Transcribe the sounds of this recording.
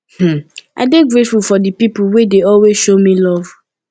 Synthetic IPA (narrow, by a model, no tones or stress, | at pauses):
m̩a̰deɡɹetfufɔdipipuwedeɔlwezʃomĩlɔv